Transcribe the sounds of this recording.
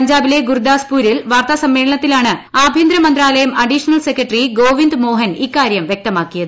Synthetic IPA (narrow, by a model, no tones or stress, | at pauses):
ɐɲd͡ʑaːbile̞ɡurud̪aːspuːɾilʋaːrt̪ɐsɐmːeːɭɐɳɐt̪ːilaːɳɨaːbʱind̪ɾɐmɐnd̪ɾaːlɐjɐmɐɖiʂɐnɐlsekːɐʈriɡo̞ːʋind̪ɨmo̞ːɦɐnikːaːɾjɐmʋjek̚t̪ɐmaːkːijɐðɨ